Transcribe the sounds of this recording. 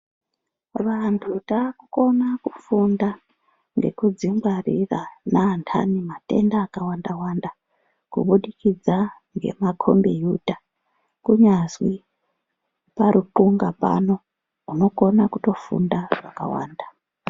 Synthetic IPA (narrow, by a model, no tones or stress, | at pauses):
ʋantʰutaːkuko̞nakufunda | ŋɡe̞̰kud͡ziŋɡwarḭranaːntʰa̰nimate̞̰ndaːkawandawanda | kṵɓuɗikid͡zaŋɡe̞̰makʰo̞̰mbijuta | kuɲaswi | paɾʔukuŋɡapa̰no̞ | uno̞ko̞nakuto̞fṵndaʐ̥aka̰wa̰ːnda